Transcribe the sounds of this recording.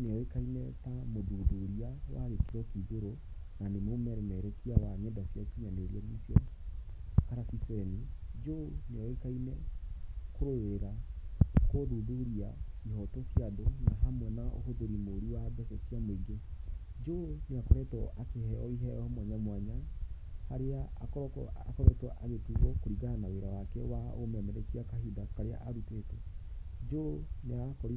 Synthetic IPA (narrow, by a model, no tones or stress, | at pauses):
neɔekainɛtamoðuðoɾiawaɾekkiɾwɔkiðoɾo | nanemomɛɾɛmɛɾɛkiawaɲɛdasjakiɲaneɾiɔnisjɔ | kaɾafisɛɛnid͡ʒoneɔekainɛ | koɾoweɾakoðuðuɾia | ihɔtosjaðonaɦamwɛnaʔo̰ɦoðoɾimoɾiwabɛsɛsiameiɡe | d͡ʒoneakɔɾɛtɔʔakehɛɔiɦɛɔɔmwaɲamwaɲa | haɾeaakɔɾɔkakɔɾɛtwɔʔaβetuɣɔkoɾiɡanaweɾawakɛwaomamɛɾɛkiakaɦidakaɾea̰ʔaɾutetɛd͡ʒoneakɔɾi